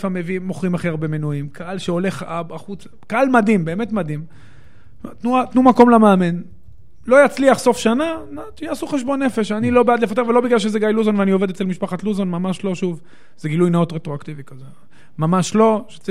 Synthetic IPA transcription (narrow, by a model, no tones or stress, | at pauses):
famevimoχʁimaχiaʁbemenuimkʰaalʃeo̞le̞χabaχut͡s | kaalmadimbe̞ːme̞tmad̪im | mt̪ːnuat̪numako̞mlameːmen | lo̞jat͡sliaχso̞fʃananat̪aːsuχeʃbo̞nːe̞fe̞ʃanilo̞bead̪lefat̪̬evelo̞biɡlalʃ̬ezeɡajluzonveanio̞ve̞d̪et͡selmiʃpaχatluzonmamaʃlo̞ʃuv | z̥eɡilujnaot̪ʁetʁoakt̪ivikaze | mamaʃlo̞ʃet͡s